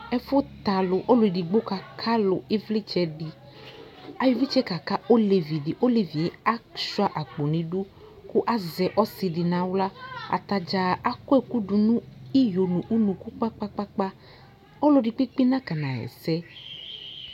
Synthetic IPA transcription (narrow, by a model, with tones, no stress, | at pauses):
ɛ˦fo˦t̪a˨lo˨ʔo˦lʊ˨i˨ɖi˨ɡ͡bo˦ka˨kʰa˦lo˨e˦vli˦t͡ʃɛ˦ɖi˨ | a˨ji˨vi˦t͡ʃɛ˦ka˨ka˦o˦le˨vi˨ɖi˨ʔo˦le˨vi˨e˦a˦ʃu˦a˨ʔa˨k͡po˨nĩ˨ɖu˦ | ku˦ʔa˦zɛ˨ʔɔ˦si˨ɖi˨nã˨wla˦a̰˨t̪a˨d͡ʒa˨a˦kɔ˦e˦ku˦ɖu˨nũ˦i˦jo˨nũ˨ʔu˦nũ˨ku˦k͡pa˦k͡pa˦k͡pa˦k͡pa˦ | o˦lo˨ɖi˨k͡pi˦k͡pi˦nã˦ka˨nã˨ɛ̰˨sɛ˦